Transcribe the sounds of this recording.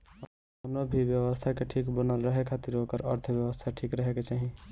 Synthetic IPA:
ə | d̪onobʱibjəwəst̪ʰakeʈʰikbənəlɾəɦekʰat̪iɾokəɾəɾt̪ʰəbjəwəst̪ʰaʈʰikɾəɦeket͡ʃaɦĩ

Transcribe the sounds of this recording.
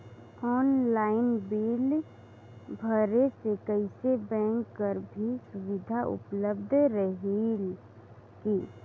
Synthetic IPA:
ɔːnlaːɪnbil | bʱəɾesekəɪsebɛ̃ːŋkːəɾbʱisʊʋɪd̪ʱaʔʊ̰pləb̚d̪ʱɾəɦil | ki

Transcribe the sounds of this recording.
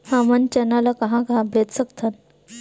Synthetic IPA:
hãmənt͡ɕənalakəɦãkaɦãbʱet̪səkt̪ʰan

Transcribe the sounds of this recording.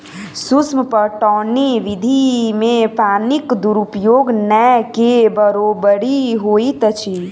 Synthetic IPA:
sʊsmpəʈɔːniʋɪd̪ʱimẽpaːnɪkd̪uɾupjoːɡnɛkebəɾobəɽiɦoːit̪ət͡ʃʰi

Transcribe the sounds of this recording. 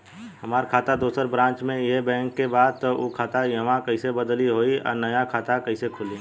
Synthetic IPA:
ɦɐmaːɾkʰaːt̪ad̪oːsəɾbɾãːɲt͡ʃmẽjɐɦbɛ̃ːŋkːebaːd̪̚t̪ookʰaːt̪ajɐʋãkɐɪsebəd̪liɦoːiɔ̰ːɾnɐjakʰaːt̪akɐɪsekʰʊli

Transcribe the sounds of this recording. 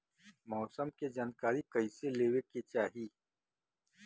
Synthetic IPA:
mɔːsəmked͡ʒaːnkaːɾikɐiseleːweket͡ʃaːɦiː

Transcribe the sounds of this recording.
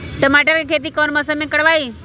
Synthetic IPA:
ʈəmaːʈəɾkʰeːkʰeːt̪̬ikɔːnmɐsəmẽkɐɽʋaːiː

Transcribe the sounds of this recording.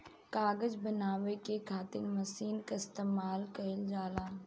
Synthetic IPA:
kaːɡəd͡ʒbɐnaːʋekekʰaːt̪ɪnmɐsiːnkaɪst̪eːmaːlkɐɪld͡ʒaːlaː

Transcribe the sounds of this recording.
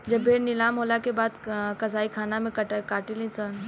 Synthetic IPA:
d͡ʒɐbʱenɪlaːmɦolakebaːd̪kɐzaːikʰaːnamẽkɐkaːʈilĩt͡sən

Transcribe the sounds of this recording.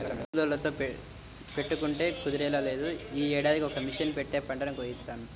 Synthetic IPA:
bud̪oːlːɐt̪o̞ːp | pe̞ʈːukuɳʈe̞ːkud̪iɾɛːlale̞ːd̪uiːɛːɽaːd̪ikiɔkɐmiʂɐnpeʈːe̞ːpɐɳɖɐɾɐmkoːjist̪ːaːnu

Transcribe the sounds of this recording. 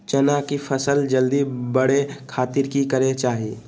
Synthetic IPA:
t͡ʃənakipʰəsəld͡ʒəld̪ibəɽekʰaːt̪ɪɾkikəɾet͡ʃaːɦieː

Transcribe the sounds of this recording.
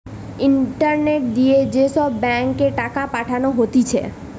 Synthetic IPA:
iɳʈəɾneʈ̚d̪ied͡ʒesɔbːɛŋkeʈakapaʈʰanoɦot̪it͡ʃʰḛ

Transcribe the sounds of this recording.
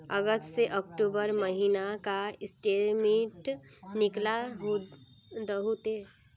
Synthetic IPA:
əɡəst̪seʔɔk̚ʈuːbəɾmɐɦiːnakaɪsʈeːmẽʈnɪklaɦ | d̪ɦoːt̪e

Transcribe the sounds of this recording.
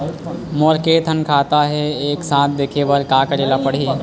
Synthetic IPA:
moːɾkeːt̪ʰənkʰaːt̪aɦɛeːksãːt̪̚ʰd̪eːkʰeːʋəɾkaːkəɾeːlapəɽ̤iː

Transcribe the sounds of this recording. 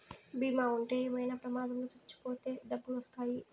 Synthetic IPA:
biːmaːuɳʈeːeːmɐjnɐpɾɐmaːd̪ɐmlot͡ʃɐt͡ʃːu̥poːt̪e̞ːɖɐbːulʋɐst̪aːji

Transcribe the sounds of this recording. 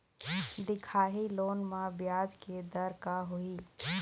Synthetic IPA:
d̪ɪkʰaːɦiloːnmãbjaːd͡ʒked̪əɾkaɦʊiː

